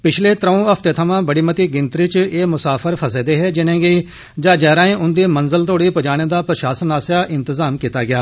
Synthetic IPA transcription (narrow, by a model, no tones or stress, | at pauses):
pɪt͡ʃʰleːt̪ɾəõːəpʰt̪eːt̪ʰəmãːbəɽiːmət̪iːɡɪnt̪ɾit͡ʃeːmʊsaːpʰəɾpʰəseːd̪eːɦɛːd͡ʒɪnẽːɡeː | d͡ʒaːd͡ʒɛːɾaːẽːʔʊnd̪eːmənzəlt̪oːɽiːpəd͡ʒaːɽ̃eːd̪aːpɾəʃaːsənaːsaːʔɪnt̪əzaːmkiːt̪aːɡɪjaː